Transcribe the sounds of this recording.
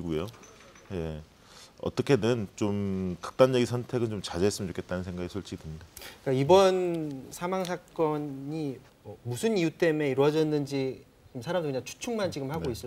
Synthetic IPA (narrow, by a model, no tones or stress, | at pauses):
ɡujo | je | ʌ̰t͈ʌkʰe̞nɯnt͡ɕomkɯ̥k̚t͈and͡ʑʌɡisʰʌntʰe̞ɡɯnt͡ɕomt͡ɕad͡ʑeɦes͈ɯmjʌt͡ɕokʰet̚t͈anɯnsʰeŋɡaɡisʰoɭt͡ɕ͈ʰiɡidɯndek͈aibʌnsʰamaŋsʰak͈ʌi | mʌmusʰɯnijut͈e̞me̞iɾwʌd͡ʑʌnːɯnd͡ʑi | t͡ɕiɡɯmsʰaɾamdokɯɲaŋt͡ɕʰu̥t͡ɕʰuŋmant͡ɕiɡɯmhaɡois͈ʌ